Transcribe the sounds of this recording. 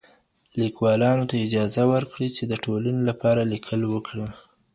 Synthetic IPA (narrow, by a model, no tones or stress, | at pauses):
likwɑlɑnot̪aɪd͡ʒɑzawəɾkɽit͡ʃed̪əʈʰolanelapɑɾalikʰəlwəkɽə